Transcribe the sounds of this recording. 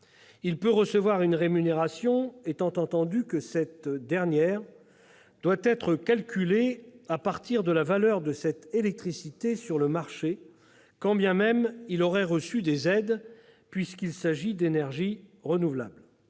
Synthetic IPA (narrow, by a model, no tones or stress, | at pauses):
ilpøʁəsəvwaʁynʁemyneʁasjɔ̃et̪ɑ̃t̪ɑ̃t̪ɑ̃d̪ykəsɛt̪d̪ɛʁnjɛʁ | d̪̥wat̪ɛt̪χəkalkʲyleapaʁt̪iʁd̪əlavalœʁd̪əsɛt̪elɛk̚t̪χisit̪esyʁləmaʁʃe | kɑ̃bjɛ̃mɛmilɔʁɛʁəsyd̪ezɛd̪ | pɥiskʲilsaʒid̪enɛʁʒiʁənuvla̰bl